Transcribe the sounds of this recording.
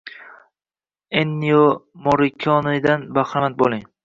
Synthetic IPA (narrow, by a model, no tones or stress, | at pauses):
enːijomoɾɪkʲʰɒnɪd̪anbaχamat̪̚bolˠɪŋ